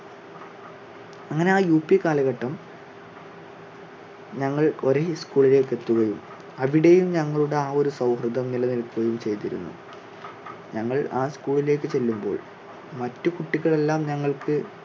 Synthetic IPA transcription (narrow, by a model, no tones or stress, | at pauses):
ɐŋːɐne̞aːjuːpːikaːlɐɣɐʈːɐm | ɲɐŋːɐɭo̞ɾeskuːɭile̞ːkːe̞t̪ːuɣɐjum | ɐʋiɽe̞jumɲɐŋːɐɭuɽe̞aːo̞ɾusɐwhrɨd̪ɐmnilɐnilkːuɣɐjumt͡ɕe̞jt̪iɾṵnːṵ | ɲɐŋːɐɭaːskuːɭile̞ːkːɨt͡ɕe̞lːumbo̞̰ːɭ | mɐtːukuʈːiɣɐɭe̞lːaːmɲɐŋːɐɭkɨ